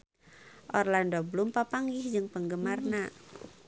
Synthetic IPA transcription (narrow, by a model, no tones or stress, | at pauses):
ʔɔrlandɔbəlumpapaŋɡɪhd͡ʒɨŋpəŋɡəmarna